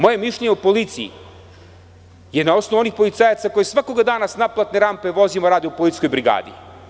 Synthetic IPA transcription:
mo̞je̞miʃʎeɲeupo̞lit̪siḭ | jed̪nao̞snoʋuo̞nixpo̞lit̪saːjat̪ako̞jesʋako̞ɡad̪aːnasnaplˠat̪neɾampe̞ʋo̞zimaɾaːd̪iupolit̪sko̞jbɾiɡa̰ːd̪ḭ

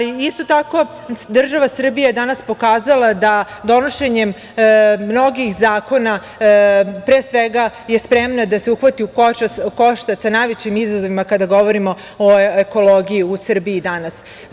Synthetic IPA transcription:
liist̪o̞t̪ako̞ | d̪r̩ʒaʋasr̩bijad̪anaspo̞kaːzalˠad̪a | d̪o̞no̞ʃe̞ɲem | mːno̞ɡixzaːko̞na | pɾeːsʋeɡaje̞spɾe̞mnad̪ase̞uxʋat̪iukot͡ʃakoʃt̪asanajʋet͡ɕimizazo̞ʋimakad̪aɡo̞ʋo̞ɾimo̞ | oeko̞lˠoɡijiusr̩biid̪anas

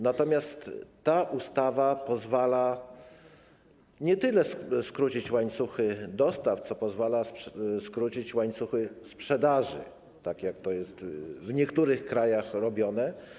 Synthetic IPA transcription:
nat̪ɔmʲjast̪ːaʔust̪avapɔzvala | ɲɛt̪ɘlɛskɾut͡ɕit͡ɕwaɲt̪suxɘd̪ɔst̪aft̪sɔpɔzvalasskɾut͡ɕit͡ɕwaɲt̪suxɘspʂɛd̪aʐɘ̰ | t̪akjak̚t̪ɔjɛst̪vɲɛkt̪uɾɘxkɾajaxɾɔbʲjɔnɛ

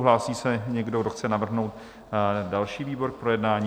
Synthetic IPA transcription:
ɦlaːsiːsɛɲɛɡdo̞ɡdoxt͡sɛnavr̩ɦno̞wt̪ | dalʃiːviːbo̞ɾk̚pɾo̞jɛdnaːɲ

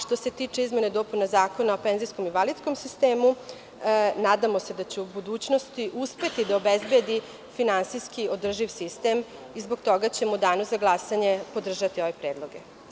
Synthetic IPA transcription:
ʂt̪o̞se̞t̪iːt͡ʂeizmened̪o̞punazaːko̞nao̞penzisko̞miʋalit̪sko̞msist̪eːmu | naːd̪amo̞se̞d̪at͡ɕeubud̪uːt͡ɕno̞st̪iʔuspe̞t̪id̪aobezbed̪i | finansijskio̞d̪r̩ʒiʋsist̪e̞m | izbo̞ɡt̪o̞ɡat͡ɕemod̪aːnozaɡlˠasaɲe̞po̞d̪r̩ʒat̪io̞ʋe̞pɾeːd̪lˠo̞ɡe

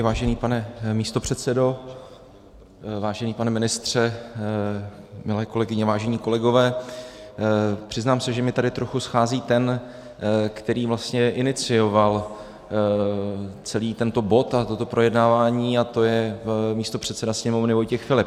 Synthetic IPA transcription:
vaːʒɛniːpanɛmiːst̪o̞pr̝̥ɛt̪sɛdo̞ | vaːʒɛniːpanɛmɪnɪst̪r̝̥ɛ | mɪlɛːko̞lɛɡɪɲɛvaːʒɛɲiːko̞lɛɡo̞vɛː | pr̝̥ɪznaːmsɛʒɛmɪt̪adɪt̪ɾo̞xusxaːziːt̪ɛn | kt̪ɛɾiːvlast̪ɲɛʔɪnɪt͡sɪjo̞val | t͡sɛliːt̪ɛnt̪o̞bo̞t̪at̪o̞t̪o̞pɾʔo̞jɛdnaːvaːɲiːat̪o̞jɛmiːst̪o̞pr̝̥ɛt̪sɛdasɲɛmo̞vnɪvo̞jcɛxfɪlɪp̚

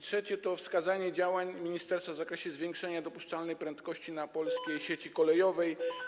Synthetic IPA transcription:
tʂɛt͡ɕɛt̪ɔfskazaɲɛd͡ʑawaɲmʲiɲist̪ɛɾst̪favzakɾɛɕɛzvʲjeŋkʂɛɲad̪ɔpuʂt͡ʂalnɛjpɾɛnt̪kɔɕt͡ɕinapɔlskʲejɕet͡ɕikɔlɛjɔvɛj

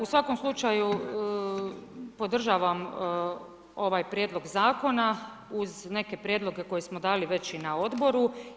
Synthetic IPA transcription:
usʋako̞mslˠut͡ʃaju | po̞d̪r̩ʒaːʋam | o̞ʋajpɾʲjed̪lˠo̞ɡzaːko̞na | uzne̞ke̞pɾʲjed̪lˠo̞ɡe̞ko̞je̞smo̞d̪aːliʋe̞t͡ɕinao̞d̪bo̞ɾu

